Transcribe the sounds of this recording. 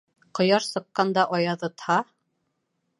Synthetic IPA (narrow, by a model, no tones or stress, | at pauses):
qŏjɑʃsɤ̆qːɑnd̪ɑʔɑjɑðɤ̆t̪hɑ